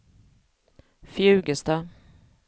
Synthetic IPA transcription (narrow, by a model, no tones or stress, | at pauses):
fjʉ̟ːɡəst̪ɑ